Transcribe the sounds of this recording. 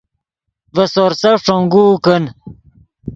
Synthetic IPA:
vɐsoɾsɐʂoŋɡuːkən

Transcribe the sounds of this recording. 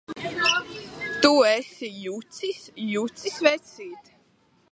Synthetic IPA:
t̪uɛsijut̪sisjut̪sisvɛt̪sʲiːt̪

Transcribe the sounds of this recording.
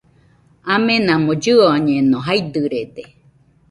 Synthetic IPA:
amẽnãmõd͡ʒɨoɲẽnõɦajd̪ɨɾed̪e

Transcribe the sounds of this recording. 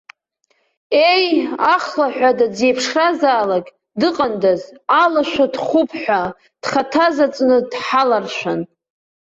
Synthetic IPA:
e̞jaχlaħʷᶣadad͡zejpʰʂrazaːlaɡʲ | dɨqʼandazalaʃʷᶣadχʷʊpʰħʷᶣa | d̥χatʰazat͡sʼnɨdħalarʃʷᶣan

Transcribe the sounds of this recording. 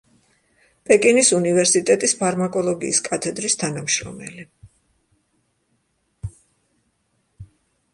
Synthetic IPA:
pʼɛkʼinisunivɛɾsit̪ʼɛt̪ʼispʰaɾmakʼɔlˠɔɡḭːskʼat̪ʰɛd̪ɾist̪ʰanamʃɾɔ̰mɛ̰li

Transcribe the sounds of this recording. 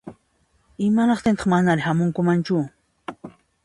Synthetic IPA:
ɪmaɾɑχt̪ɪnt̪ɑ̥χmanaɾɪhamʊŋkʊmant͡ʃʊ

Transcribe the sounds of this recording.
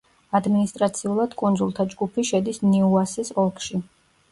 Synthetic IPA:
ad̪minist̪ʼɾat̪sʰiulˠad̪̥kʼund̪zulˠt̪ʰad͡ʒɡupʰiʃɛd̪isnɛuasɛsɔlˠkʰʃi

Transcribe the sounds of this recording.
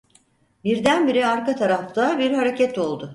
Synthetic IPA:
biɾd̪ænbiɾiaɾkat̪ʰaɾaft̪ʰabiɾhaɾe̞cɛt̪o̞lˠd̪ʊ

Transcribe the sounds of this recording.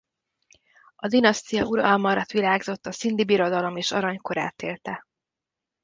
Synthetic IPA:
ɒd̪inɒst̪ijɒuɾɒlmɒɾɒt̪ʋilaːɡzo̞t̪ːɒsind̪ibiɾo̞d̪ɒlo̞meːʃɒɾɒɲko̞ɾa̰ːt̪eːlt̪ɛ

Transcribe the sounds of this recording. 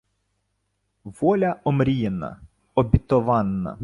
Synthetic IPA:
ʋɔlʲɐɔmɾʲijɛnɐ̰ | ɔbʲɪt̪ɔʋɑnːɐ̰

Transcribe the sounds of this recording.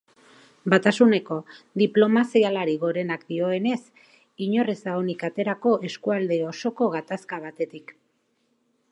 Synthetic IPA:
bat̪asune̞ko̞d̪iplo̞masialaɾiɣo̞ɾe̞nakd̪io̞e̞ne̞s | iɲo̞rezaonikat̪e̞ɾako̞ʔe̞skuald̪e̞o̞so̞ko̞ɣat̪askaβ̞at̪e̞t̪ik

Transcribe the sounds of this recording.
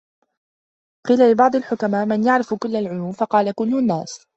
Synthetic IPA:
qiːlalɪbɑʕd̪ˤɪlħʊkamaːʔmɪnjaʕɾɪfkʊlːalʕʊluːmfɑqɑːlakʊlːʊnːaːs

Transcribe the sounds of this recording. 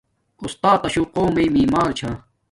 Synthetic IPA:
ust̪aːt̪ɐɕuqoːmejmiːmaːɾt͡ɕʰa

